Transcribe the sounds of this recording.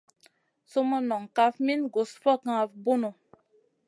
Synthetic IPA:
so˦mɔ˦nɔ˨ŋka˦fmi˦nɡo˨sfɔ˦˨kã˦˨vbu˦no˨

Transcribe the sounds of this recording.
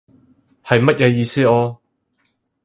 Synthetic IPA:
hɐ˨jmɐ˥t̚jɛː˧jiː˧siː˥ɔː˧

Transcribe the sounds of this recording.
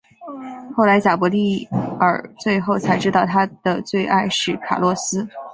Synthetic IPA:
xo˥˩ʊla˧˥ɪt͡ɕja˨˩pwɔ˧˥li˥˩ə˞˨˩t͡swe˥˧ɪxo˥˩ʊt͡sʰa˧˥ɪʈ͡ʂɻ̩˥t̪ɑ˥˩ʊt̪ʰa˥d̪̥ə˨t͡swe˥˧ɪʔa˥˧ɪʂɻ̩˥˩kʰa̰˨˩lwɔ˥˧sɹ̩˥

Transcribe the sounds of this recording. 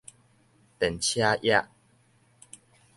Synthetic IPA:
t̪ɛ˨˩nt͡ɕʰja˦ʔja˦˨ʔ

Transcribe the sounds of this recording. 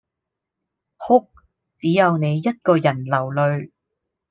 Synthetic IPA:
hʊ˥k̚ | t͡siː˨˥jɐ˨˧wne˨˧jːɐ˥t̚kɔː˧jɐ˨˩nlɐ˨˩wlɵ˨˧ɥ

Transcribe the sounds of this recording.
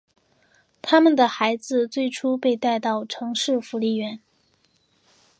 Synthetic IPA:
t̪ʰa˥mə˨nd̪ə˩xa˧˥ɪd͡zɹ̩˧t͡swe˥˩ɪʈ͡ʂʰu˥pe˥˧ɪt̪a˥˧ɪt̪ɑ˥˩ʊʈ͡ʂʰɤ˧˥ŋʂɻ̩˥˩fu˧˥li˥˩ɥɛ˧˥n

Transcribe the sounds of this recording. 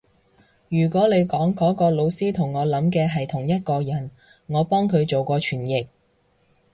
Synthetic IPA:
jyː˨˩kʷɔː˨˥le˨˧jkɔː˨˥ŋkɔː˨˥kɔː˧lo˨˧wsiː˥t̪ʰʊ˨˩ŋːɔː˨˧lɐ˨˥mkɛː˧ɦɐ˨jt̪ʰʊ˨˩ŋjɐ˥t̚kɔː˧jɐ˨˩n | ŋɔː˨˧pɔː˥ŋkʰɵ˨˧ɥt͡so˨wkɔː˧t͡ʃʰyː˨˩njɪ˨k̚

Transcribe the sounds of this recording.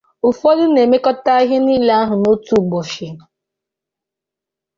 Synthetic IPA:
ʊ˨fo˦dʊ˦ne˨me˦kɔ˦ta˦a˦ɦe˦ni˦le˦a˦ɦʊ˨no˦tu˦˨ɡ͡bɔ˨ʃɪ˨

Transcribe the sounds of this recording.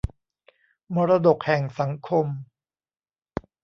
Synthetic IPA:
mɔː˧ɾa˧do˨˩k̚hɛ˨˩ŋsa˩˦ŋkʰo˧m

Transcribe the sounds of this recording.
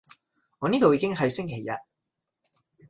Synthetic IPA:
ɔː˨˧niː˥t̪o˨wjiː˧kɪ˥ŋɦɐ˨jsɪ˥ŋkʰe˨˩jːɐ̰˨t̚

